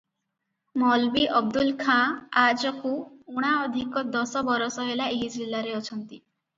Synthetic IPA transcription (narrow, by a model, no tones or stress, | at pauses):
mɔlbiʔɔb̚d̪ulkʰãad͡ʒɔkuuɽ̃aɔd̪ʱikɔd̪ɔsɔbɔɾɔsɔɦelaeɦid͡ʒilːaɾeɔt͡ʃʰɔnt̪i